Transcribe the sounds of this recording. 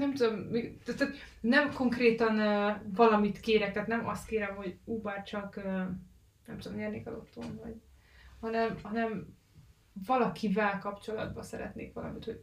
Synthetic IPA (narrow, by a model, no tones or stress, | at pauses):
nɛmt̪ud̪omːit̪ɛt̪ːɛt̪ | nɛmko̞ŋkreːt̪ɒnøvɒlɒmit̪keːɾɛk̚t̪aːt̪nɛmɒst̪keːɾɛmho̞ɟuːbaːrt͡ʃɒkøː | nɛmt̪ud̪omɲɛːrneːkɒlot̪ːoːnvɒɟhɒnɛmhɒnɛm | vɒlɒkʰivɛlkɒpt͡ʃo̞lɒd̪bɒsɛɾɛ̰t̪nḛːkʋɒlɒ̰mit̪ho̥